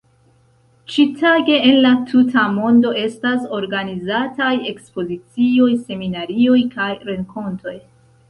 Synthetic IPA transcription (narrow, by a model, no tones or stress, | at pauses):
t͡ʃitʰaɡe̞ːnlatʰutʰamo̞ndo̞e̞staso̞ɾɡanizataje̞kspo̞zit͡sio̞jse̞minaɾio̞jkajɾe̞ŋko̞ntʰo̞j